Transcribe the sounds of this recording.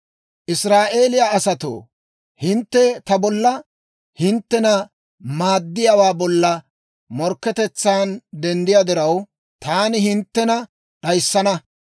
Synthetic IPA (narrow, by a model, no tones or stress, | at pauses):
ʔɪsɾaːʔe̞ːlɪjaɐsɐt̪o̰ː | hɪnt̪ːɛt̪ɐbɔlːɐ | hɪnt̪ːɛnɐ | maːd̪ːɪjawaːbɔlːɐ | mɔɾkːɛt̪ɛt͡sːaːnd̪ɛnd̪ɪjad̪ɪɾɐw | t̪aːnɪhɪnt̪ːɛnɐ | ɗɐjsːɐnɐ